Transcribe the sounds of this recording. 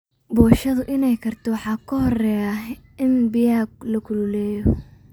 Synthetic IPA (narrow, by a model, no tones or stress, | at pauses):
bɔːʃɐðʊʔɪnɛjkʰɐrt̪ʰɔwɑħɑːkʰʊɦɔrɛːjaʔɪnbɪjaːɡ̚lɐkʰʊlʊlɛːjɔ